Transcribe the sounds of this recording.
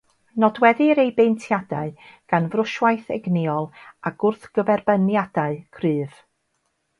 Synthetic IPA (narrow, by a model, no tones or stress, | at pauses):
nɔdwɛðɨɾejbentʰjadaɨɡ̥anvrʊʃwajθɛɡnɪɔlˠaɡ̥ʊrθɡ̥əvɛrbənjadaɨkʰrɨːv̥